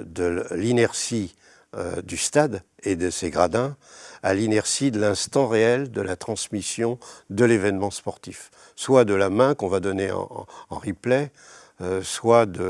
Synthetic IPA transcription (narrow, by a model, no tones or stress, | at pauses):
d̪əlinɛʁʃḭ | d̪yst̪ad̪ | ed̪əseɡʁad̪ɛ̃a̰linɛʁʃid̪əlɛ̃st̪ɑ̃ʁeɛld̪əlat̪χɑ̃smisjɔ̃d̪əlevɛnmɑ̃spɔʁt̪if | swad̪əlamɛ̃kɔ̃vad̪ɔneɑ̰̃ɑ̰̃ʁiplɛ | swad̪ə